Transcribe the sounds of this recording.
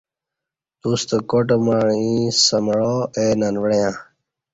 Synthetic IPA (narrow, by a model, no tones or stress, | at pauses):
d̪ust̪okoʈ̬maːɻĩsəmɭoeːnanʋɽjãː